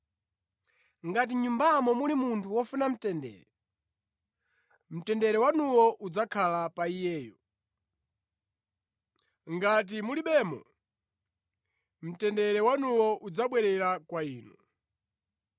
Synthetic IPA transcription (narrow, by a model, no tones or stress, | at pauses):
ŋɡat̬iɲumbamɔmulimuntʰuwɔfunam̩tɛndɛ̰ːɾɛ | m̩tɛndɛɾɛwanuwɔʔud͡zakʰalapaijɛːjɔ | ŋɡat̬imuliɓɛːmɔ̰ | m̩tɛndɛɾɛwanuwɔʔud͡zaɓwɛɾɛɾakwaiːnṵ